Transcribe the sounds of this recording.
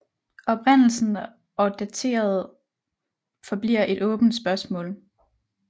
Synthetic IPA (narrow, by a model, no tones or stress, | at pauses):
ʔɒ̽b̥ʁan̰l̩sn̩ | ɒ̽d̥æt͡sʰe̝̰ːɐð̞̩ˠ | fɒ̽b̥lḭɐʔe̝ɾ̥ɔ̽ːb̥n̩d̥sb̥ɶɐsmɔ̰̽ːl